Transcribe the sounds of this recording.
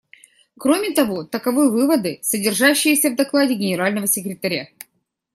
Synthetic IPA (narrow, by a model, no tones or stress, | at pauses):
kɾo̞mʲɪt̪ɐvo̞t̪əkɐvɨjəvɨvəd̪ɨsədʲɪrʐaɕːɪjɪsʲəvd̪ɐklˠadʲɪɡʲɪnʲɪɾalʲnəvəsʲɪkɾʲɪt̪ɐɾʲa